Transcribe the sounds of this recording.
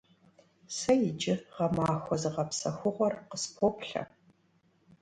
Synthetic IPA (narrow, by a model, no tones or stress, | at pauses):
sɐjɪd͡ʒɪʁɐmaːxʷɔzɨʁɐpsɐxʷʊʁʷɔrqəspʰopɬɐ̰